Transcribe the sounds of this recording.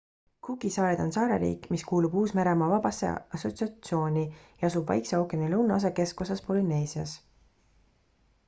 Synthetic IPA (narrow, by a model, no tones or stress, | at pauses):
kuɡisɑːɾed̪̥o̞nsɑːɾḛɾḭːkːˑmiskuːlub̥uːsmeɾemɑvɑb̥ɑsḛɑsˑo̞t̪siɑt̪sio̞ːnʲijɑɑsubvɑ̰jkseokenilɤ̞wnɑɑs̬ɑke̞sko̞s̬ɑspo̞line̞ːsiɑ̰s